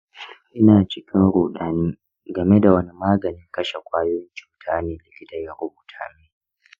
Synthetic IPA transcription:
ʔɪ˦naː˨t͡ʃɪ˦kʲʰɪ˦nɽuː˨ɗaː˨niː˦ | ɡɐ˨me˦da˨wɐ˦ni˦maː˦ɡɐ˨nɪ˦ŋkɐ˦ʃe˨kʷaː˦joː˦jɪ˦nt͡ʃu̥ː˦tʰaː˦neː˨lɪ˨kʲɪ˦tɐ˨ja˨ɽʊ˦buː˨tʰaː˦miː˦

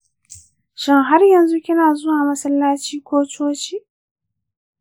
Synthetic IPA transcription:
ʃɪ˦ŋɦa˦rjɐ˨nzu˦kʲɪ˦naː˨zʊ˦waː˨mɐ˦sɐ˦lːaː˦t͡ʃiː˦kʷoː˦t͡ʃoː˦t͡ʃiː˦ʔ

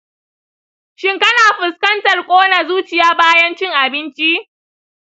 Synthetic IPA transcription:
ʃɪ˦ŋkɐ˦naː˨ɸɪ˨skɐ˦ntɐ˨rkʷʼoː˦na˨zuː˦t͡ʃɪ˨jaː˦baː˦jɐ˦nt͡ʃɪ˦ŋʔa˨bɪ˦nt͡ʃi˦ʔ

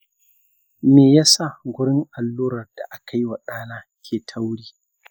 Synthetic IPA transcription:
meː˨jaː˦sa˦˨ɡʷʊ˦ɽɪ˦ŋʔa˨lːuː˦ɾɐ˨rd̥a˨ʔa˦kʰa˦jwa˨ɗaː˦naː˦ | kʲʰeː˨tʰa˦wɽiː˦

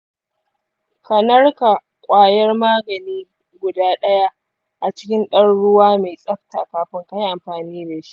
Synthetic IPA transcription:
kɐ˨nɐ˦rka˨ | kʷʼaː˨jɐ˦rmaː˦ɡɐ˨niː˦ | ɡʷʊ˨daː˦ɗɐ˦ja˦ʔ | ʔa˨t͡ʃɪ̥˦kʲɪ˦nɗɐ˦ɽɽʊ˦waː˦me˨sʼɐ˦ɸta˨kaː˨ɸɪ˦ŋka˦jʔa˨mɸaː˨niː˦da˨ʃi̥˦ʔ

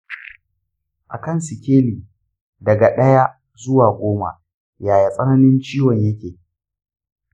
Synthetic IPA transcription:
ʔa̰˨kɐ˦˨nsɪ˨kʲeː˦liː˨ | dɐ˨ɡa˨ɗɐ˦ja˦ | zʊ˦waː˨ɡʷoː˦ma̰˨ | jaː˨ja˨sʼɐ˦nɐ˦nɪ˦nt͡ʃiː˦wɔ˨ɲjɐ˦kʲeː˨

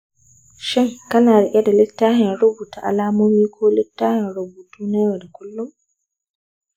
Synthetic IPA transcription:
ʃɛ˦ŋka˦naː˨ɾɛ˨ʔʲɛ˦da˨lɛ˦tːaː˦hɛ˨nɾu˦bu˨tɔ˨ʔa̰˨laː˦moː˦miː˦kʰɔː˦lɛ˦tːaː˦hɛ˨nɾobu˨tu˦nɛ˦wɔda˨ku˦lːu˦m

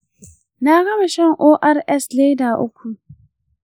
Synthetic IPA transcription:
naː˦ɡɐ˦ma˨ʃɛ˦ŋʔoː˦ʔa˦ɾʔɛ˦sleː˦daː˨ʔʊ̰˦kʷʰu˨

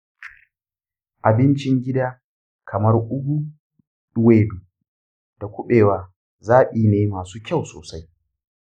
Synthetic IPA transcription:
ʔa˨bɪ˦nt͡ʃɪ˦ŋɡʲɪ˦daː˦ | kʰɐ˨mɐ˦rʔʊ˦ɡʷu˦ | ɗʊ˦weː˦duː˨ | d̥a˨kʷʊ˦ɓeː˨waː˨ | zaː˦ʔiː˨neː˨˦maː˨suː˦kʲa˦˨wso̰ː˨sa˦j

